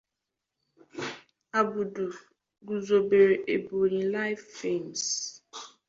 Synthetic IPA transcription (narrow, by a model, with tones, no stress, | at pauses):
a˨bʊ˨du˨ | ɡu˨zo˨be˨ɾe˨ʔe˨bo˨ɾĩ˨la˦ɪ˦fːe˦˨ms